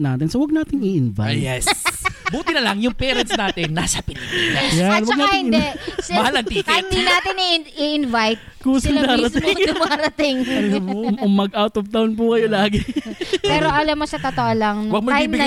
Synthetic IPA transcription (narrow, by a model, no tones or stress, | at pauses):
naːt̪ɪnsowɐɡ̚naːt̪ɪŋiʔɪnva̰ɛsbuːt̪ɪnɐlɐŋjʊŋpɛːɾɐnt̪snaːt̪ɪnːasɐpɪt̪iɐjanwɐɡnaːaɪhɪ̃nd̪ɛsmɐhalɐnt̪ikɪnd̪inaːt̪ɪniiʔɪnvajt̪̚kusɪŋd̪aːɾɐt̪ɪd̪ʊmaːɾɐt̪ɪŋ | ʊmːɐɡʔawt̪ɔft̪awnp̬ukɐjolaːɡɪpɛːɾoʔɐlamːoʃɐt̪ɐt̪oʔolɐŋnwɐɡ̚mɐɡ̪ajimbɪ